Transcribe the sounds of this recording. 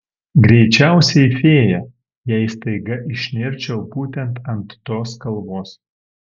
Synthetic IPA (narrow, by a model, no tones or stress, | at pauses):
ɡɾʲɛɪt͡ʃʲæˑʊsʲɛɪfʲeːjɛ | jæːist̪ɐɪɡɐʔɪʃʲnʲɪɾʲt͡ʃʲɛʊbuːt̪ʲɛnt̪ɐnt̪ːoːskɐlˠʋoːs